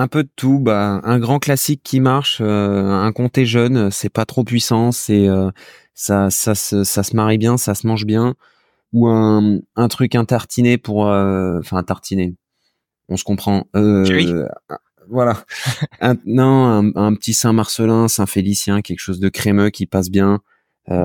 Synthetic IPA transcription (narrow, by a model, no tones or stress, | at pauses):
ɛ̃pød̪ət̪ʰubaɛ̃ɡʁɑ̃klasikʰʲːimaʁʃøɛ̃kɔ̃t̪eʒœnsɛpat̪χopɥisɑ̃sɛø | sasasəsasəmaʁibjɛ̃sasəmɑ̃ʒbjɛ̃ | uɛ̃ɛ̃t̪χykɛ̃t̪aʁt̪ʰinepuʁøɑ̃fɛ̃t̪aʁt̪ʰine | ɔ̃sə̥kɔ̃pχɑ̃øi | vwalaɛ̃nɔ̃ɛ̃ɛ̃pət̪ʰisɛ̃maʁsəlɛ̃sɛ̃felisjɛ̃kʲɛlkʃozd̪əkχemøkʲipas̬bjɛ̃ | ø